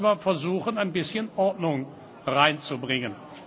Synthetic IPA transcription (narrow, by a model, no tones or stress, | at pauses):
mafɛɐzuːxənaɪnbɪsçənʔɔɐtnʊŋ | ʁaɪnt͡subʁɪŋən